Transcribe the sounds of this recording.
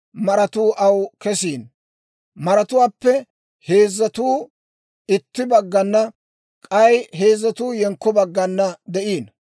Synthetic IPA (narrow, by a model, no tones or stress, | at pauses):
mɐɾɐt̪uːʔɐwkɛsiːn | mɐɾɐt̪ʊwaːpːɛ | he̞ːzːɐt̪uː | ɪt̪ːɪbɐɡːɐnːɐ | kʼɐjɦe̞ːzːɐt̪uːjɛŋkːɔbɐɡːɐnːɐd̪ɛʔiːn